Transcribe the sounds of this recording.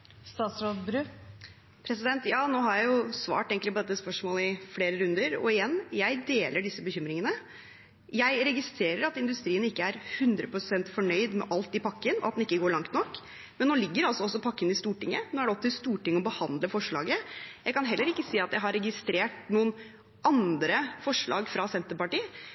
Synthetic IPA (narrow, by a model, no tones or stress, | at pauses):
st̪ɑːt̪sɾoːd̪bɾʉː | pʰɾɛsɪd̪ɛnt̪jɑːnoːhɑɾjæɪjʊsʋɑ̰ːʈeːŋklɪpɔd̪ɛt̪ːəspœʂmoːləɪfleːɾəɾʉnd̪əɾɔ̰ɪjɛnːjæɪd̪eːləɖɪsːəbəçʏmɾɪŋənə | jæɪɾɛɡɪst̪ɾeːɾəɾɑt̪ɪnd̪ʉst̪ɾiːənɪkːəæɾhʉnd̪ɾəpʰɾʊsɛnt̪fɔɳœʏd̪mɛ̰ʔɑlt̪ɪpɑkːənɔ̰ʔɑt̪̚d̪ɛɪkːəɡoːɭɑŋt̪nɔkː | mɛnːoːlɪɡːəɾɑlsɔɔs̬ːɔpʰɑkːənɪst̪uːʈɪŋːənoːæɖɛɔpt̪ɪlst̪uːʈɪŋːəɔbəhɑnd̪ləfɔʂɭɑ̰ːɡəjæɪkɑnɦɛlːəɾɪkːəsiːɑt̪jæɪɦɑɾɛɡɪst̪ɾeːʈnuːən | ʔɑnd̪ɾəfɔʂɭɑ̰ːɡfɾɑsɛnt̪əɾpɑʈiː